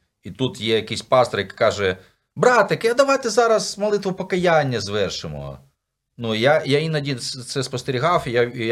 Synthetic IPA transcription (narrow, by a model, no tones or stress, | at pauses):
it̪ut̪jɛjɐkɪjsʲpɑst̪ɔrjɐkkɑʒɛ | bɾɑt̪ekɐd̪ɐʋɑjt̪ɛzɑɾɐzmɔlˠɪt̪ʋʊpɔkɐjanʲːɐzʋɛrʃɪmɔ̰ | nujajainɐdʲint̪sɛspɔst̪eɾʲiɦɑwja